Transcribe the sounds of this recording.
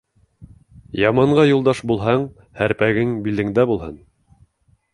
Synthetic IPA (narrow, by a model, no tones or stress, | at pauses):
jɑmɑɴɢɑjulˠd̪ɑʃbulˠɦɑɴ | hæɾpæɡɘŋbilɘ̆ŋd̪æbulˠɦɤn